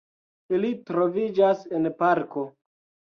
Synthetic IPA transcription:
ilitɾo̞vid͡ʒase̞npaɾko̞

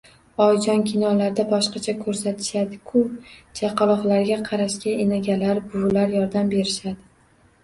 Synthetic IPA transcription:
ɒjd͡ʒɒnkʲʰɪnɒlaɾd̪abɒʃqɑt͡ʃʰakʰɵɾsat̪ʰɪ̥ʃad̪ɪkʰʊd͡ʒaqʰɑlˠɒχlaɾɡʲaqʰɑɾaʃkʲaenaɡʲalaɾbʊlaɾjɒɾd̪ambe̞ɾɪʃad̪ɪ

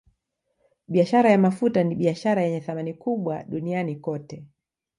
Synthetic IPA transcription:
ɓiaʃaɾajamafutaniɓiaʃaɾajɛɲɛθamanikuɓwaɗunianikɔtɛ

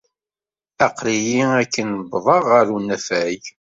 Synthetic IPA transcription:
ɑqɾijiækːənbðˤɑʁːəɾunːæfæj

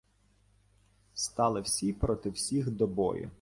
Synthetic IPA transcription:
st̪ɑlˠɪwsʲipɾɔt̪ɪwsʲixd̪ɔbɔ̰jʊ̰

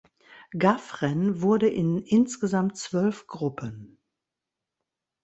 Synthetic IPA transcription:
ɡafʁɛnvʊɐdəʔɪnʔɪnsɡ̥əzamtt͡sv̥œlfɡ̥ʁʊpʰən

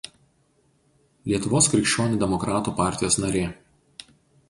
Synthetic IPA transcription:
lʲiɛt̪ʊʋoːskɾʲɪkʃʲt͡ʃʲoːnʲuːd̪ʲɛmɔkɾɑːt̪uːpɑˑɾʲt̪ʲɪjoːsnɐɾʲeː

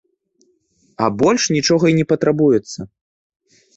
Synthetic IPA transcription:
ɐbɔlʲʂnʲit͡ʂɔɣɐinʲɛpɐt̪ɾabujɛt̪sːɐ

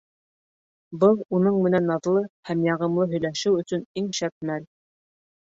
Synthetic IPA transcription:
bɤlˠunɤɴmɘ̆nænɑðlˠɤhæmjɑʁɤ̆mlˠɤɦɵ̆jlæʃɘwɵ̆sɵniŋʃæt̪̚mæl

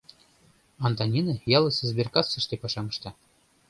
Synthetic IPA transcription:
ɑnt̪ɑnʲinɑjɑlˠɤ̆sĕzbʲerkɑsːɤ̆ʃt̪epɑʃɑmɤ̆ʃt̪ɑ

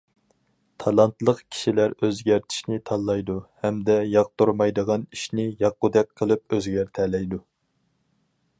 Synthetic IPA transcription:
t̪ʰɑlˠɑnt̪lˠəqkʲʰi̥ʃilæɾøzɡʲæɾt̪ʰi̥ʃnɪt̪ʰɑlˠːɑjd̪uhɛmd̪ɛjɑq̚t̪uɾmɑjd̪əʁɑniʃnɪjɑq̚ːud̪ɛk̚ʲqʰːəlˠɨpøzɡʲæɾt̪ʰɛlɛjd̪u

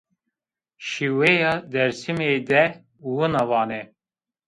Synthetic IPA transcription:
ʃiwejɑːd̪ɛɾsimed̪ɛ | wunɑvɑːnɛ

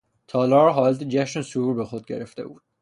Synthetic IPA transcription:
t̪ʰɒːlɒːɾɦɒːlæt̪ed͡ʒæʃnesuɾuɾbexod̪̚ɟeɾeft̪ḛbuːd̪̥̚

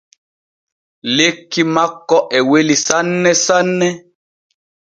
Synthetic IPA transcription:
lekːimakːɔʔɛwelisanːɛsanːɛ

